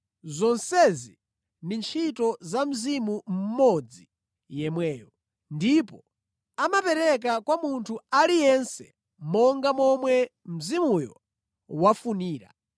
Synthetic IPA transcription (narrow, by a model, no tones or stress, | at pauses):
zɔnsɛzi | nint͡ʃʰitɔzam̩zimum̩mɔd͡zi | jɛmwɛːjɔ | ndipɔ | amapɛɾɛk̬akwamuntʰualijɛnsɛ | mɔŋɡamɔmwɛ | m̩zimujɔ̰ | wafuniːɾa̰